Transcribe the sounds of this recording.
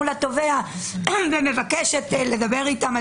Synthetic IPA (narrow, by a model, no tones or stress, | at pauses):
ulat̪o̞vea | vene̞vakeʃet̪led̪abe̞ʁit̪am